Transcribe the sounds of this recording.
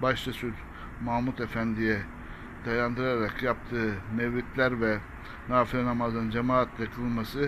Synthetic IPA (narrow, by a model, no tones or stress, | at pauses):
baʃt͡ʃʰasyɾ | mamut̪efænd̪ijɛ | d̪̥ajand̪ɯɾaɾakjapt̪ʰɯːmevɾit̪lʲæɾvɛ | naːfilɛnamazɯnd͡ʒemaːt̪ʰlʲɛkʰɯlˠmasɯ